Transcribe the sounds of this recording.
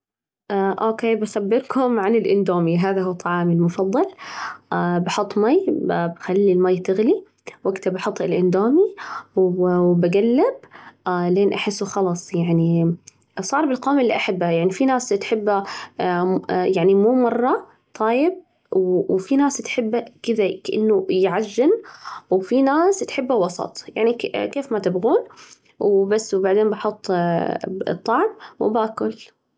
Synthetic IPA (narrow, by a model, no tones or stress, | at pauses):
ʔaʔoːkeːbasabːɪɾkʰʊmʕanɪlʔɪnd̪oːmiɦaːðaɦuːt̪ˤʰːɑʕɑːmɪlmʊfɑðˤːɑlʔabɑħʊt̪ˤːmajbxalːilmajːt̪ɪɣli | waɡt̪abɑħʊt̪ˤːɪlʔɪnd̪oːmiwbaɡalːableːnʔaħɪsːuxɑlɑsˤjaʕni | sˤɑːɾˤbɪlqoːmɪlːiʔaħabːajaʕnifinaːst̪ħɪbːa | jaʕnimuːmɑrˤːɑ | t̪ˤʰɑːjɪb̚ | wwfinaːst̪ħɪbːakɪðakaʔɪ̰nːʊjʕaʒːɪnwfinaːst̪ħɪbːawɑsˤɑ̰t̪ˤja̰ʕnikeːfmat̪ɪbɣuːn | wbasːwbaʕd̪eːnbɑħʊt̪ˤː | ɨ̰t̪ˤːɑʕmw̰baːkʊl